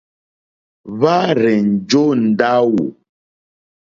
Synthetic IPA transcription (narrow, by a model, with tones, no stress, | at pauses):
βa˦ɾɛ˨n̩˨d͡ʒo˦n̩˨da˦wo̰˨